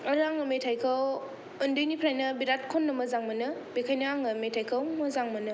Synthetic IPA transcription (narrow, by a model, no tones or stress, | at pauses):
ɐɾaŋɐmetʰajkʰaw | ɯndɯjnipʰɾajnɐbiɾat̚kʰonːɐmɐzaŋmɐnɯbekʰajnaaŋɐmetʰajkʰawmɐzaŋmɐnɯ